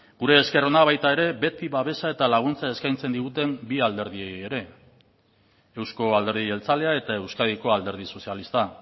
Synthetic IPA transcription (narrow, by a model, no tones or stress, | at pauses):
ɡuɾe̞ːske̞ro̞naβ̞ajt̪ae̞ɾe̞be̞t̪iβaβe̞sae̞t̪alaɣ̞unt͡sae̞skajnt͡se̞nd̪iɣut̪e̞mbiald̪e̞ɾðiejeɾe̞ | ewsko̞ald̪e̞ɾðie̞lt͡sale̞ae̞t̪ae̞wskaðiko̞ald̪e̞ɾð̞iso̞sialist̪a